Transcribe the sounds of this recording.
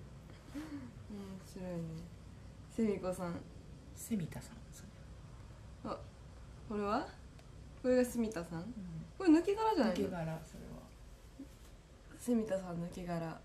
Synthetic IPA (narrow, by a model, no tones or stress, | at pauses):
omoɕiɾo̞ine̞ | semʲiko̞sãŋ̃ | semʲit̪asãnsoɾe | a | ko̞ɾe̞βa | ko̞ɾe̞ɡasemʲit̪asãkoɾenɯ̟kʲiɡaɾaʑanaieɡaɾasoɾḛβa̰ | semʲit̪asãnːɯ̟kʲeɡaɾa